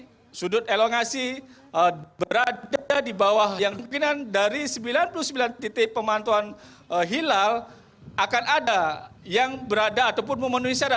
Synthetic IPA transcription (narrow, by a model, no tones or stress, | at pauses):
sudʊt̪eloŋasi | bəɾaadibawahjaŋdŋkinandaɾisəmbilanpuluhsəmbilant̪et̪epəmant̪uan | ɦilal | ʔakanadajaŋbəɾadaːt̪awp̬ʊnməmənuɦisaɾa